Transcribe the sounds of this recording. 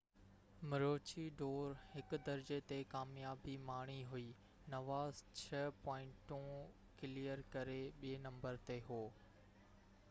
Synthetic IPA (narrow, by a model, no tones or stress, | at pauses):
mɪɾoːt͡ɕiɖoːɾhɪkd̪ɐɾd͡ʑet̪ekaːmjaːbimaːɽ̃iɦʊiː | nɐʋaːzt͡ɕʰɐpɔːɪ̃ɳʈũ | kɪlijəɾkɐɾeɓienɐ̃mbəɾt̪eɦoː